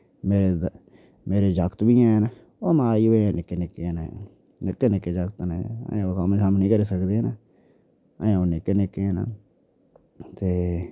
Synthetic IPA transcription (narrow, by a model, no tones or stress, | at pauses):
meːɾeː | meːɾeːd͡ʒəkt̪biːãːn | oːmãːiːoãnɪkːeːnɪkːẽna̰ | nɪkːeːnɪkːeːd͡ʒəkt̪neə̰jãːoːkəmesamnĩːkəɾiːsəkd̪eːnə | əjãːoːnɪkːenɪkːẽːna̰ | t̪eː